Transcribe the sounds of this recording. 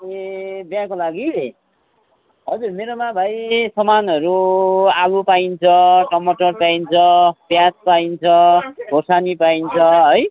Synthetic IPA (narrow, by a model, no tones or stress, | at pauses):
ebjãkolaɡi | ɦʌd͡zurmeɾomabʱajsʌmanɦʌɾuaɡupaint͡sʰʌʈʌmʌʈʌrpaint͡sʰʌpjaspaint͡sʰʌɡʱosanipaint͡sʰʌɦʌj